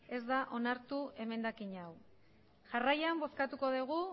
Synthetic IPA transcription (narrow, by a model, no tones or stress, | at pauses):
e̞zd̪aʔo̞naɾt̪ue̞me̞nd̪akiɲaw | ʝarajambo̞skat̪uko̞ðeɣ̞u